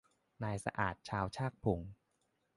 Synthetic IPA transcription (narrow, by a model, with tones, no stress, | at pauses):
naː˧jsa̰˧ʔa̰ː˨˩t̪̚t͡ɕʰaː˧wt͡ɕʰaː˥˩k̚pʰu˨˩˦ŋ